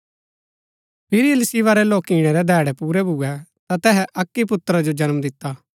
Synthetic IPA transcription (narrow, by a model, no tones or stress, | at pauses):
pʰɪɾiəlɪsɪʋaɾɛloːkiːɽ̃ɛɾɛd̪ʱɛːɽɛpuːɾɛbʱʊɛt̪at̪ɛːɦɛʔɐkːip̬ʊt̪ːɾad͡ʒod͡ʒɐnmd̪ɪt̪ːaː